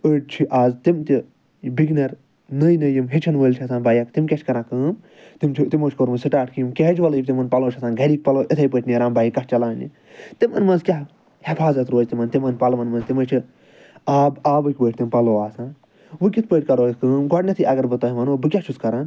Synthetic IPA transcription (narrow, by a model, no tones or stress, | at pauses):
əʈ̚t͡ʃʰiʔaːzt̪imt̪i | biɡnɐɾ | nəjnɐjimɦit͡ʃʰɐnʋəːlʲt͡ʃʰɐsʰãːnbaːjɐkt̪imkʲɐt͡ʃʰkɐɾãːkɨːm | t̪imt͡ʃʰit̪imoːt͡ʃʰkoɾmɨsiʈaːʈʰkɨjimkʲeɦɐt͡ʃʋɐlɨibʲt̪imɐnpɐloːt͡ʃʰɐsaːnɡʱɐɾʲiːk̚ʲpɐloːʔit̪ʰɐjpəʈʰʲniɾãːmbaːjikɐt͡ʃɐlaːnḭ | t̪imɐ̰nmɐnzkʲaɦ | hifʰaːzɐt̪ɾoːzt̪imɐnt̪imɐnpɐlmɐnmɐnzt̪imɐt͡ʃʰi | aːbaːbɨkʲbəːʈ̚ʰʲt̪impɐloːaːsãːn | ʋɨkʲit̪̚ʰpəːʈʰʲkɐɾoːskɨːmɡɔʈnʲɐt̪ʰɨʔɐɡɐɾbɨt̪ɐɦimɐnobɨkʲɐt͡ʃʰuskɐɾan